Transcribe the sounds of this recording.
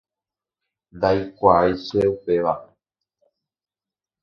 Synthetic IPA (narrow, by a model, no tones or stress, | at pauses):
nd̪aikʷajsueupeʋa